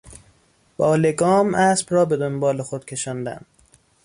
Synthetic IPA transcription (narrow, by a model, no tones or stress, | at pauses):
b̥ɒːleɡɒːmʔæːsbɾɒːbe̞d̪onbɒːlexod̪̥cʰe̞ʃɒːnd̪æ̰nd̪